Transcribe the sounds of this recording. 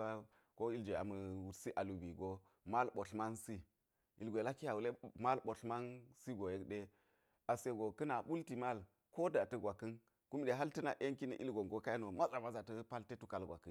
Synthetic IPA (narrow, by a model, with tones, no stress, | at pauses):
a˦ | ko˦i˦ld͡ʒe˨a̰˨mə˨wu˨ɾsi˦ʔa˨lu˨bi˨ɡo˨ | ma˦lɓo˨ɬma˦nsi˦ | i˨lɡʷe˨la˦ki˦a˨wu˨le˦ma˦lɓo˨ɬma˦nsi˦ɡo˨je˦kɗe˦ | a˨se˨ɡo˨kə˦na˨ɓu˦lti˨ma˦l | ko˦da˨tə˦ɡʷa˨kːə˦n | ku˦mɗe˨ɦa˦ltə˦na˨ʔe˦ŋki˦nḭ˨ʔḭ˦lɡo˨ŋɡo˦ka˦i˦no˨ma˦za˨ma˦za˨tə˦pa˦lte˦tu˦ka˨lɡʷa̰˨kːə˦n